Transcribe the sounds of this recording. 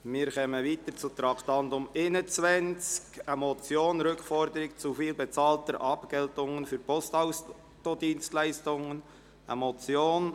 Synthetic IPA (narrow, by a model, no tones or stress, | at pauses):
mɪːɾkɛməʋiːt̪əɾt͡sut̪ɾɑkʰtɑndʊmɪnət͡sʋɛnt͡skəmɔt͡sjoːnɾʏkfɔɾd̪əɾɪkt͡sufiːlbɛt͡sɑːltəɾʔɑpɡɛltʊŋənfyɾpɔstaʊs | todiːnstlæɪstʊŋən | ə̰mɔt͡sjoːn